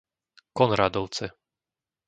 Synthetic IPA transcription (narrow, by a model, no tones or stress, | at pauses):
kɔnɾaːd̪ɔʊt͡sɛ